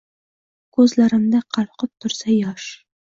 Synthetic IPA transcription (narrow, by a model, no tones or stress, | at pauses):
kɵzlæɾɘ̆md̪aqʰɑlˠqɤp̚t̪ʰʊ̆ɾsajɒʃ